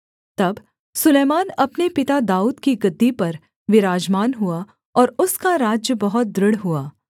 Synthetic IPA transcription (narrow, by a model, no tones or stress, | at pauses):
t̪ɐb | sʊleːmaːnɐpnepɪt̪ad̪aːuːd̪kiɡɐd̪ːipɐɾ | ʋɪɾaːd͡ʒmaːnɦua | ɔːɾʊskaɾaːd͡ʒjəbɐɦʊt̪̚d̪ɾɪɽɦuaː